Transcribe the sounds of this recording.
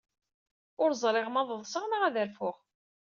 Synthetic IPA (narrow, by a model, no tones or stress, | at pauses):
ʊɾzˤɾˤɪʁmɑðˤəðˤsəʁnaʁæðəɾfʊʁ